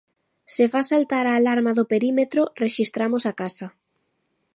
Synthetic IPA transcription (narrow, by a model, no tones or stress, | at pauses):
sefasalt̪aɾaːlaɾmaðʊpeɾimet̪ɾʊreʃist̪ɾamosakasa